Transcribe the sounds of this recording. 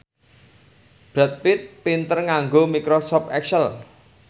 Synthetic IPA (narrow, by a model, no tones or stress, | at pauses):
b̥ɾat̪̚pit̪̚pint̪ərŋaŋɡomikɾosɔpɛksəl